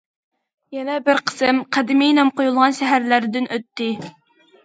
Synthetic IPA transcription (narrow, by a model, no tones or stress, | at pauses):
jɛnɛbɪɾqʰə̥sɨmqʰæd̪ɪmɪjnɛmqʰojulˠʁɑnʃɛɦæɾlæɾd̪ɪnʔøt̪ːɪ